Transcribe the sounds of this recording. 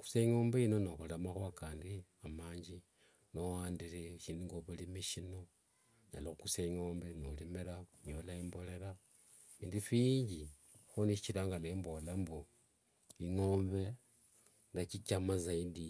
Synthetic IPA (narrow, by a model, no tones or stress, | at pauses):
ku̥saiŋo̞ːmbeino̞noxulemaxakaːndiamaːɲd͡ʒi | nowaːndiɾeʃiːndiŋɡoβulimiʃino̞ | ɲa̰loxukusaiŋo̞ːmbenolimeɾaɲolaimbo̞le̞ɾa | fiːndifiɲɟi | xoniʃit͡ʃiɾaːŋɡalembolambo | iŋoːmβe̞ | ŋɡat͡ʃit͡ʃamazaidi